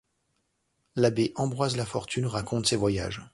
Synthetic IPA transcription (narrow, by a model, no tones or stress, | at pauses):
labeʔɑ̃bʁwazlafɔʁt̪ʰynʁakʰɔ̃t̪sevwaja̰ʒ